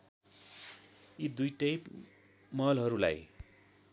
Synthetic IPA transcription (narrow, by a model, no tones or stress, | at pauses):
id̪ujʈʌjp | mʌlɦʌɾula̰j